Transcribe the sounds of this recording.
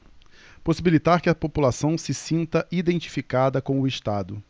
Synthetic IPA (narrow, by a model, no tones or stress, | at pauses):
posibilit̪aɾkɪɐpopulasɐ̃w̃sɪsĩnt̪ɐʔid̪ẽnt͡ʃi̥fikad̪ɐkõw̃ʊɪʃt̪ad̪ʊ